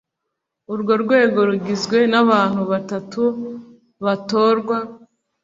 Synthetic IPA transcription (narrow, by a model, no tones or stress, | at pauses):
uɾɡo̞ɾɡwe̞ːɡo̞ɾuɡizɡwe̞naβaːn̥huβatatu | βatoːɾɡwa